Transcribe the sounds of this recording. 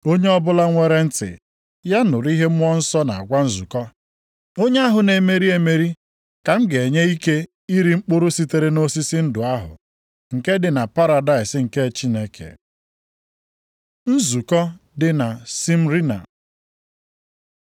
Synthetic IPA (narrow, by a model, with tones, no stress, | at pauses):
o˦ɲe˦ɔ˦bʊ˦la˦ŋʷe˦ɾe˦n̩˦tɪ̰˨ | ja˦nʊ˨ɾi˦ɦe˦m̩ʷ˦ɔ˦n̩˦sɔ˦na˨a˨ɡʷa˦n̩˦zu˨kɔ˦ | o˦ɲe˦a˦ɦʊ˨ne˨me˨ɾi˦e˨me˨ɾi˦ | ka˨m̩˦ɡe˨ɲe˦i˦ke˦ | i˦ɾi˦ŋ͡m̩˦k͡pʊ˦ɾʊ˦si˦te˨ɾe˦no˦si˦si˦n̩˦dʊ˨a˦ɦʊ̰˨ | ŋ̩˨ke˦dɪ˨na˨pa˦ɾa˨da˦ɪ˨sɪ˦ŋ̩˨ke˦˨t͡ʃi˦ne˦kʰḛ˨ | n̩˦zu˨kɔ˦ | dɪ˨na˨si˦m̩˦ɾi˦na̰˨